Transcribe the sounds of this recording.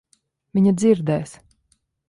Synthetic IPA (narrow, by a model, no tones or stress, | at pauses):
vʲiɲad̪ziɾd̪ɛːs